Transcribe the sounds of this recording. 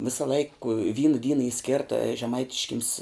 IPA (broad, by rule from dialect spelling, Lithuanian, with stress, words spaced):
ˈʋʲɪsɐ lˠɐɪk ʋʲiːn ˈdʲiːnɐ iː ˈsʲkʲeːrtɐ ʒʲɛˈmɐɪtʲɪʃʲkʲɪms